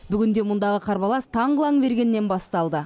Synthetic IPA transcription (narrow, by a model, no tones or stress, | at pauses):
bʏɡʲɪnd̪e̞mʊnd̪ɑʁəqʰɑɾbɑlˠɑst̪ʰɑɴʁəlˠɑŋbe̞ɾɡʲe̞nːe̞nbɑst̪ɑlˠd̪ə